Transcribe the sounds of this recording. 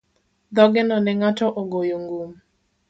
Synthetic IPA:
d̪ɔɡɛnɔnɛŋatɔʔoɡojoŋɡum

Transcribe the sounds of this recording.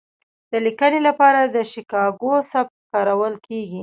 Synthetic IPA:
d̪̥əlikənelapɑɾad̪əʃikɑɡosap̚t̪kɑɾawəlkeɡi

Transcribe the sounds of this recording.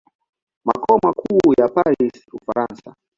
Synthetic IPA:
makɔmakʰuːjapaɾisufaɾansa

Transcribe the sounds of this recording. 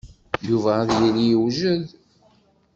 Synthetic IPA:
juvææðjinijəwʒəð

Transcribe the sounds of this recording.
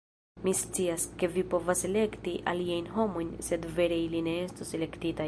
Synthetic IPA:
mist͡siaske̞vipo̞vasele̞kt̪iʔa̰liajnɦo̞mojnse̞d̪ve̞ɾeiline̞est̪osele̞kt̪it̪a

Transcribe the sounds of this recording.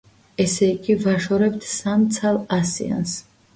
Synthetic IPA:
ɛsɛikʼivaʃɔɾɛb̚t̪ʰsamt̪sʰalˠasḭa̰ns

